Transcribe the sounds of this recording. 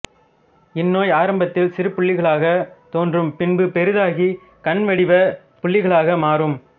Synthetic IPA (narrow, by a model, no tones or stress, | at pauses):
ɪnːoːjaːɾɐmbɐt̪ːɪlsɪɾɯpːʊɭːɪɣɐɭaːɣɐt̪oːndrɯmpɪnbɯpɛɾɯðaːɣi | kɐnʋɐɽɪʋɐ | pʊɭːɪɣɐɭaːɣɐmaːrɯm